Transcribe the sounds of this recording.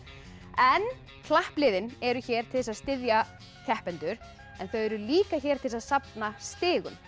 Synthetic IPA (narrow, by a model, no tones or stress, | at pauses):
ɛn | kʰlahplɪðɪnɛɾʏçɛːɾ̥t̪ʰɪðɛsaðst̪ɪðja | cʰɛhpɛnt̪ʏɾ̥ | ɛnθœɥɛɾʏliːkaçɛːɾt̪ʰɪlsaðsapnast̪ɪːɣʏ̰m